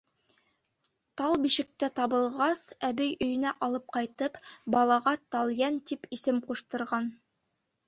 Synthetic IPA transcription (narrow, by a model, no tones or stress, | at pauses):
t̪ɑlˠbiʃɘ̆k̚t̪æt̪ɑβɤ̆lˠʁɑsæβɘjɵ̆jɵ̆næʔɑlˠɤp̚qɑjt̪ɤpbɑlˠɑʁɑt̪ɑlˠjænt̪ipisɘmquʃt̪ɤ̆ɾʁɑn